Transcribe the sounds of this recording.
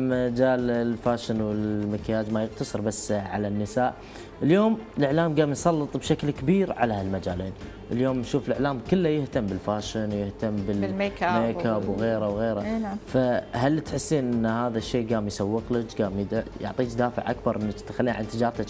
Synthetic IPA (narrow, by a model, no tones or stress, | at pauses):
mad͡ʒaːllfaːʃɪnwɪlmɪkjaːd͡ʒmajɪqt̪ɑsˤɨɾbasːʕa̰lanːɪsaːʔ | ʔəljoːmlɪʕlaːmɡaːmjsˤɑlːɨt̪ˤbʃaklkɪbiːɾʕa̰lalmad͡ʒaːleːn | ʔəljoːmnʃuːfɪləʕlaːmkʊlːajɪht̪ambɪlfaːʃɪnwjɪht̪amːbɪekameːkaːbwɣeːɾawɣeːɾafahalːit̪ħɪsːiːnʔɪnːhaːðaʃːeːɡaːmjsawːəqlad͡ʒɡaːmjʊ̰ʕt̪ˤiːt͡ʃd̪aːfɪ̰ʕʔakbɑɾˤʔɪnːakt̪xalːiːaʕʔant̪ɪd͡ʒɑːɾˤt̪a